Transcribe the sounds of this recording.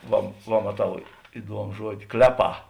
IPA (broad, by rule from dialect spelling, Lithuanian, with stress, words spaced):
ˈʋɐ ʋɐ mɐˈtɐʊ ɪˈduɔmʊ ˈʒuɔdʲɪ ˈklʲæːˌpɑː